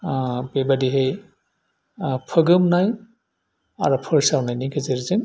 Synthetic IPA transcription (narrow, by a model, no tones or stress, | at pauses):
bebadiɦej | pʰəɡɯmnaj | a̰ɾɔpʰɯɹsawnajniɡɯzeɾzɯn